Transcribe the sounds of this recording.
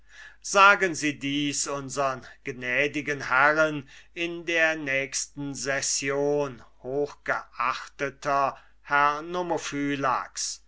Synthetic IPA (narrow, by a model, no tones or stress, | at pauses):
z̥aːɡənziːdiːsʊnzəʁənɡ̥nɛːdɪɡənhɛʁənɪndeːɐnɛːçstn̩zɛsjoːnhoːxɡ̥əʔaχtətʰɐ | hɛɐnomofyːla̰ks